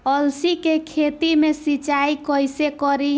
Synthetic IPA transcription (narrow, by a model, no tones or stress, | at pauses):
əlsikekʰet̪imesit͡ʃaikɔjsekɔɾi